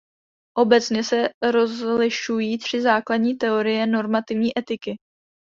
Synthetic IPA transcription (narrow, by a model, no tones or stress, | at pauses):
ʔo̞bɛt͡sɲɛsɛɾo̞zlɪʃujiːt̪r̝̥ɪzaːkladɲiːt̪ɛo̞ɾɪjɛno̞ɾmat̪ɪvɲiːʔɛt̪ɪkɪ